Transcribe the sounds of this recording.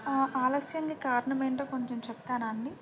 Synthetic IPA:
aːlɐsjɐŋɡaːkaːɾɐnɐmeːɳʈoːkoɲt͡ʃemt͡ʃɛb̚t̪aːnɐɳɖi

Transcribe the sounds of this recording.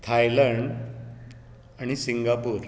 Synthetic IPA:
t̪ʰajləɳɖ | aɽ̃isiŋɡapuːɾ

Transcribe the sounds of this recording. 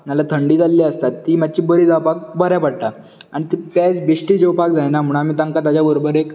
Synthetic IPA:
malat̪ʰəɳɖiːd͡zalːiəst̪at̪ːiːmat͡ɕiːbəɾiːd͡zawpak̚bʱəɾjapaɽʈ̪a | aɽ̃it̪ipad͡zbiɕʈiːd͡ʑewpakd͡zajnam̤uɽ̃amiːt̪aŋkat̪ad͡ʑabəɾobəɾek

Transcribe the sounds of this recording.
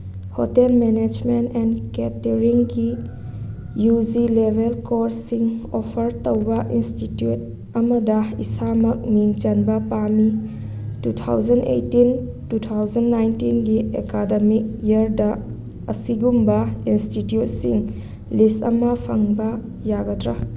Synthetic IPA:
hotelmened͡ʒmentɛnketeɾiŋɡi | jud͡ʒilebʱelkoɾsiŋopʰɐɾtowbɐʔinstitjut̚ | ɐmɐdɐisamɐk̚miŋt͡ʃɐnbɐpami | tut̪ʰa̰wd͡ʒɐndḛjtin | tut̪ʰawzɐnːajntinɡiekadɐmik̚jɐɾdɐ | ɐsiɡumbɐinstitjut̚siŋ | listɐ̰mɐpʰɐŋbɐ | jaɡɐtɾa

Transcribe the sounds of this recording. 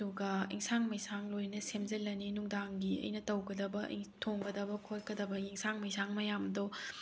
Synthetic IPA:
duɡɐḭŋsaŋmɐjsaŋlojnɐsemd͡ʒɐlɐninuŋdaŋɡiɐ̰jnɐtɐwɡɐdɐbɐʔḭtʰoŋɡɐdɐbɐkʰotkɐd̪ɐbɐjiŋsʰaŋmɐjsʰaŋmɐjamd̪o

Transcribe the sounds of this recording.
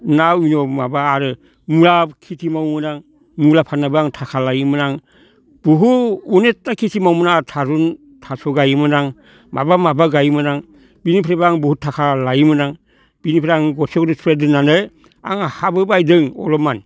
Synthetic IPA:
nawinɔmabaːɾɯ | mulakʰitʰimawmɯnaŋ | mulapʰanːabɯaŋtʰakʰalajmɯnaŋ | b̥uɦuunetːakʰitʰimawmɯnatʰaɾun | tʰasɔɡajmɯnaŋ | ma̰bamabaɡajmɯnaŋ | binipʰɾebaaŋbuhutʰakʰalajmɯnaŋ | b̥inipʰɾeaŋɡɔsekdɯspʰɾedɯnanɯj | a̰ŋahabɯbajdɯŋɔ̰lɔman

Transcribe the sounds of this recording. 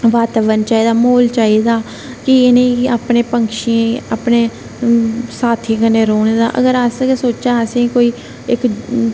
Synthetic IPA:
ʋaːt̪aːʋənt͡ʃaːiːd̪aːmoːlt͡ʃaːiːd̪aː | kɪeːnəĩːaːpneːpəŋkʃiẽaːpneː | saːt̪ʰĩːkəneːɾoːneːd̪a̰ːʔə̰ɡəɾaskesoːt͡ʃaːəsẽːkoːiː | ɪk

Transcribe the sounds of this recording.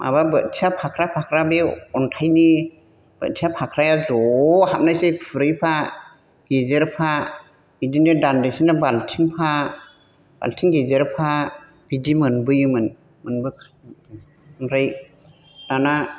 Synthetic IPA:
mʔa̰βabɯt̚tʰiapʰakʰɾapʰakʰɾabeɔntʰajni | b̥ɯ̰t̚tʰiapʰakʰɾajazɔhap̚najsepʰɯɾɯjpʰa | ɡ̥ezeɾpʰa | b̥idinedandajsinabaltʰiŋpʰa | b̥a̰ltʰiŋɡezeɾpʰa | b̥idimɯnbɯjɯmɯn | mɯnbɯkʰ | mɾɯj | nana

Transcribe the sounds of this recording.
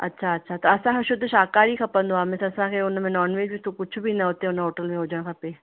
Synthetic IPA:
ɐ̰tːʃʰaɐtːʃʰat̪oɐsãːkʰeʃʊd̪ʱʃaːkaːɾikʰɐpənd̪oaːmẽsɐsãːkʰeʊnmẽnɔːnʋeːd͡ʒbit̪okʊt͡ʃʰbʱinɐɦoːt̪eʊnɦoːʈəlmẽɦoːd͡ʒãːkʰɐpeː

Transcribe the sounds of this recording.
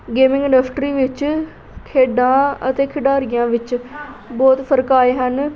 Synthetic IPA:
ɡeːmɪ̃ŋɡəɳɖəpʰʈɾiːʋɪt͡ʃ | kʰeːɖãːə̰t̪eːkʰɪɖaːɾɪjãːʋɪt͡ʃbɔːt̪pʰəɾkaːeːɦən

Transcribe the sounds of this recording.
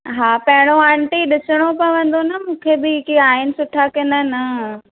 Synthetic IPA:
ɦaːpɐɦɪɽ̃oãɳʈiɗɪsəɽ̃opɐʋə̃nd̪onɐmũːkʰebɪkiaːɦɪnɪ̆sʊʈʰakɪnənɪ

